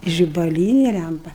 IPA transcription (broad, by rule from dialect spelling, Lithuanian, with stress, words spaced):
ʒʲɪbɐˈlʲiːnʲeː ˈlʲæmpɐ